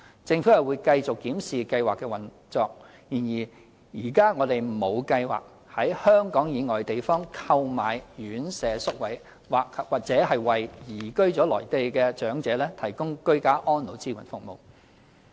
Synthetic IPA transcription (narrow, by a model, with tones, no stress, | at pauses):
t͡sɪ˧ŋfu˨˥jɐ˨wuː˨˧jkɐ˧jt͡sʊ˨kːiː˨˥msiː˨kɐ˧jwaː˨kːɛː˧wɐ˨˩n | t͡sɔː˨k̚ | jiː˨˩njiː˨˩ | jiː˨˩kaː˥ŋɔː˨˧t̪e˨j̩˨˩mo˨˧wkɐ˧jwa̰ː˨k̚ | hɐ˨˥jhœː˥ŋkɔː˨˥ŋjiː˨˧ŋɔː˨˩jt̪e˨jfɔː˥ŋkʰɐ˧wmaː˨jjyː˨˥nsɛː˨sʊ˥k̚wɐ˨˥j | waː˨kwaː˨k̚t͡sɛː˨˥ɦɐ˨jwɐ˨˩jjiː˨˩kɵ˥ɥt͡ʃɔː˨˥lɔ̰ː˨˩jt̪e˨˧jkɛː˧t͡ʃœː˨˥ŋt͡sɛː˨˥lɛː˥t̪ʰɐ˨˩jkʊ˥ŋkɵ˥ɥkaː˥ʔɔː˥nlo˨˥wt͡siː˥wʰɐ˨˩nfʊ˨k̚mo̰˨˧w